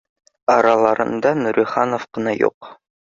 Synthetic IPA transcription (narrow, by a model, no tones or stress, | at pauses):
ɑɾɑlˠɑɾɤ̰̆nd̪ɑnuɾiχɑnofqɤ̆nɑjṵq